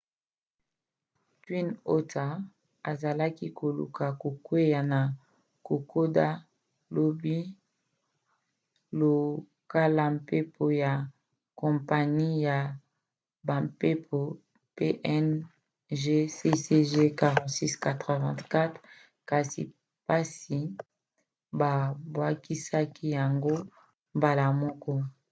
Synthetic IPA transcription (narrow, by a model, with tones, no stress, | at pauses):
ti˦no˦tʰa˨ | a˨za˨la˦ki˦kʰo˨lṵ˨ka˨ko˨kwe˦ja˨na˨ | ko˨ko˦da˦ | lo˦˨bi˦ | lo˨ | ka˦la˨mpe˦pʰo˨ja˨ | kɔ̃˨mpa˨ni˦ja˨ | ba˨mpe˦pʰo˨ | pe˦ʔɛ˦n | ʒe˦se˦se˦ʒe˦ka˨ʁɔ̃˨tsi˦ska˨tʁe˨vɛ̃˦˨tka˦tχ | ka˨sḭ˨ | pa˦si˨ | ba˨bwa˦ki˦sa˦kʰi˦ja˨ŋɡo˦ | mba˨la˨mɔ˦kɔ˦